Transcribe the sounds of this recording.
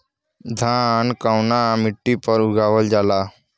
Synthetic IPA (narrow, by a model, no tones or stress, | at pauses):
d̪ʱãːnkaʊnamɪʈːipəɾʊɡaːʋəld͡ʒaːlaː